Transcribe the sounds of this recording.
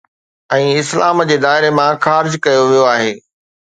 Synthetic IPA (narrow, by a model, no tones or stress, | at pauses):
ɛ̃ːɪslaːmd͡ʑeːd̪aːɦɪɾemãxaːɾɪd͡ʑkɐjoʋijoaːɦeː